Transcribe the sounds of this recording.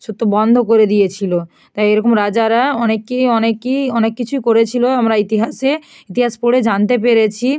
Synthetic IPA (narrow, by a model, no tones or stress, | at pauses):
ʃut̪ːobɔnd̪ʱokoɾed̪ijet͡ɕʰilo | t̪ajeɾɔkomɾad͡ʑaɾaɔnekːiɔnekːiɔnekːit͡ɕʰujkoɾet͡ɕʰiloamɾait̪iɦaʃe | it̪iɦaʃpoɽed͡ʑant̪ep̬eɾet͡ɕʰi